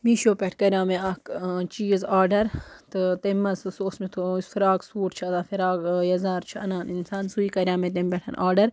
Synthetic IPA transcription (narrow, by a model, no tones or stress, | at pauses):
miːʃoːpʲeʈʰkɐɾjaːmeɐkt͡ʃiːzaːɾɖɐɾt̪ɨt̪ɐmːɐssoːsmet̪ʰosfiɾaːksuːʈt͡ʃʰɐzafiɾaːɡjɐzaːɾt͡ʃʰiɐnaːninsaːnsuiːkɐɾʲjaːmẽt̪̬empʲeʈʰɐ̰nʔa̰ːɖɐɾ